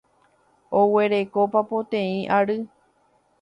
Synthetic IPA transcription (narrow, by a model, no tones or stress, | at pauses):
owe̞ɾe̞ko̞papõt̪ẽĩʔaɾɨ